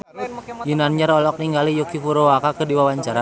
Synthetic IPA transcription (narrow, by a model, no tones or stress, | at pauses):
jinanɲəɾɔlɔk̚niŋɡalijokifuɾowakakədiwawaɲt͡ʃaɾa